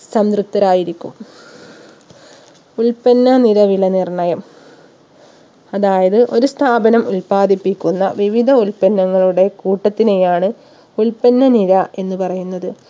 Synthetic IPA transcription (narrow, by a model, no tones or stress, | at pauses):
sɐmd̪rup̚t̪ːɐɾaːjiɾikʲːum | uɭpɐnːɐniɾɐʋilɐnirɳɐjɐm | ɐðaːjɐðɨʔo̞ɾust̪ʰaːbɐnɐmuɭpaːd̪ipːikʲːunːɐ̰ʋiʋid̪ʱɐuɭpɐnːɐŋːɐɭuɽe̞kuːʈːɐt̪ːine̞jaːɳɨ | uɭpɐnːɐniɾɐe̞nːɨpɐrɐjunːɐðɨ